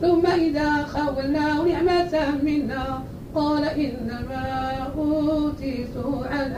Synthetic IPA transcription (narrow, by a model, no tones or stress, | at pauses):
θʊmːaʔɪðaːxawːalnaːnɪʕmat̪amɪnːaː | qɑːlaʔɪnːamaːʔuːt̪ˤiːt̪ʊʕan